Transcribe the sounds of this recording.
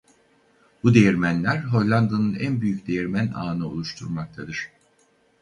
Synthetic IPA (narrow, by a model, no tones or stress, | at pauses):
b̥ud̪ejæɾmænlʲæɾɦo̞lʲlʲˠand̪anɯnænbyjycd̪ejɛɾmæna̰ːnɯolˠuʃt̪ʰuɾmak̚t̪ʰad̪ɯɾ̥